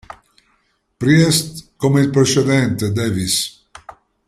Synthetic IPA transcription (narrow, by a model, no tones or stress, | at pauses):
pɾiɛst̪komeilpɾet͡ʃed̪ɛnt̪ed̪ɛvis